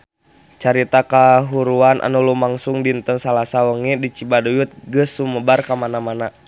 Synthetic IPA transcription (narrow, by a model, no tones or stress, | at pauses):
t͡ʃaɾit̪akaɦuɾuanʔa̰nulumaŋsuŋdint̪ənsalasawəŋidit͡ʃibadujut̪̚ɡəsuməbarkamanamana